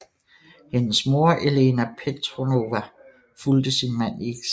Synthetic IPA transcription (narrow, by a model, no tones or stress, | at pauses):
he̝nəsmo̝ɐʔele̝ːnæpʰet͡sʰʁono̝ʋæ | fuld̥əsinmæn̰e̝ɡ̥s